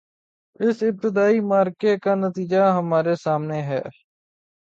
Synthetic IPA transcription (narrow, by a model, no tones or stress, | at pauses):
ɪsɪp̚t̪ɪd̪aːiːmaːɾkekaːnət̪iːd͡ʒaːɦəmaːɾesaːmneːɦɛ̰ː